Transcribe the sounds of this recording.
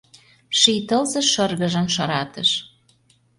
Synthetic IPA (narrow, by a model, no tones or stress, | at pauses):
ʃijt̪ɤlzɤ̆ʃɤrɣə̆ʒə̆mʃɤɾɑt̪ə̆ʃ